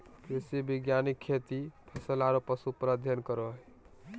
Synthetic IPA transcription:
kɾesebiɡjanikʰːet̪ipʰəsəlaɾopəsupɾəd̪ʱjənkəɾoɦ

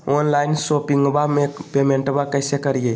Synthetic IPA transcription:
onlaɪnsopiŋɡbamepemeɳʈbakəɪsekəɾije

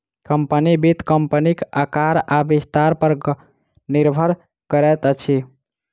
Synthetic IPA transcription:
kəmpənibit̪kəmpənikakaɾabist̪aɾpəɾ | niɾbʱəɾ | kəɾɛt̪ət͡ʃʰi

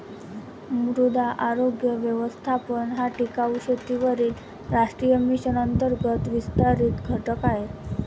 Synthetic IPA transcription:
muɾud̪aʔaɾoɡjəʋjəʋəst̪ʰapəɳɦaʈikauɕət̪iʋəɾiːl | ɾaʂʈɾijəmiɕənənt̪əɾɡət̪ʋist̪aɾiːt̪ɡʱəʈəkaɦet̪

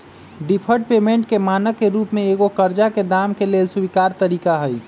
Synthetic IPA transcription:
ɖipʰəɾʈ̚peːmẽɳʈkemaːnəkːeɾuːpmẽeːɡokəɾd͡ʒaked̪aːmkeleːlsubikaːɾt̪əɾiːkaɦəj

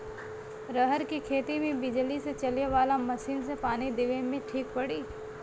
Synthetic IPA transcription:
ɾəɦəɾkikʰeːt̪imẽbɪd͡ʒliset͡ʃɐleʋaːlamɐsiːnsepaːnid̪ɪʋemẽʈʰiːk̚pɐɽiː

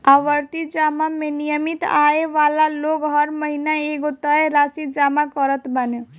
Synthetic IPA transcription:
aʋəɾt̪id͡ʒamamẽnijəmit̪aeʋaːlaloɡɦəɾməɦinaeɡot̪əeɾasid͡ʒamakɔɾət̪bəno

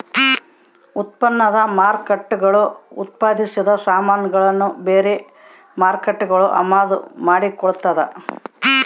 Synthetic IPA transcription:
ut̪̚pɐnːɐd̪ɐmaːɾkɐʈːuɡɐɭuut̪̚paːd̪ʱisid̪ɐsaːmaːnɐɡɐɭɐnːubeːɾe | maːɾkɐʈːuɡɐɭuʔɐ̰maːd̪umaːɽikɔɭut̪ːɐd̪e

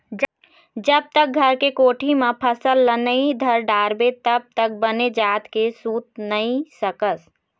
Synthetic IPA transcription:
d͡ʒ | d͡ʒəb̚t̪ək̚ɡʱəɾkekoːʈʰimẽpʰəsəlːənəid̪ʱəɾɖaːɾbet̪əb̚t̪ək̚bəned͡ʒaːt̪kesuːt̪̚nəĩsəkəs

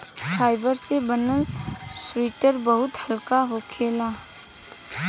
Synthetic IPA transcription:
saːɪbəɾsebənəlswiːʈəɾbəɦʊt̪həlkaɦokʰeːlaː

